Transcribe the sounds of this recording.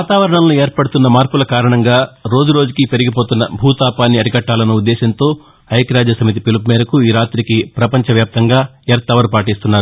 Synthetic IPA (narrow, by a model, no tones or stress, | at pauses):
ʋaːt̪aːʋɐɾɐɳɐmlueːɾpɐɽut̪unːɐmaːɾpulɐkaːɾɐɳɐŋɡaːɾo̞ːd͡ʒuɾo̞ːd͡ʒukipe̞ɾiɡipo̞ːt̪unːɐ̰bʱuːt̪aːpaːnːiɐɾiɡɐʈːaːlɐnːɐud̪ːɛːʃɐnt̪o̞ː | ɐjkɾaːd͡ʒɐsɐmit̪̬ipilpmeːɾɐkuiːɾaːt̪ɾikipɾɐpɐɲt͡ʃɐʋjaːp̚t̪ɐŋɡaːeːɾt̪ɐʋɐɾupaːʈ̬iːst̪unːaːɾu